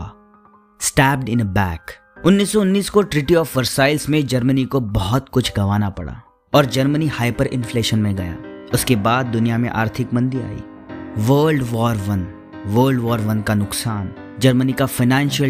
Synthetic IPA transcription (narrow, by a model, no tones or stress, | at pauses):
sʈɛːp̚ɖɪ̃nəbɛːk | ʊnːiːsːɔʊnːiːskoʈɾiːʈiɔːfʋɐɾsaːɪlsmẽd͡ʒɐɾmənikobɔɦɔt̪kʊt͡ʃʰɡɐʋaːnapɐ̰ɽa̰ː | ɔːɾd͡ʒɐɾmənihaːɪpəɾʔɪ̰̃nfleːʃənmẽɡɐja̰ːʊskebaːd̪̚ːʊnijamḛ̃ʔa̰ːɾt̪ʰɪkmɐ̃nd̪ia̰ːḭː | ʋəːlɖʋɔːɾʋɐn | ʋəːlɖʋɔːɾʋɐnkanʊksaːn | d͡ʒɐɾmənikafɐɪnɛ̃ːnʃəl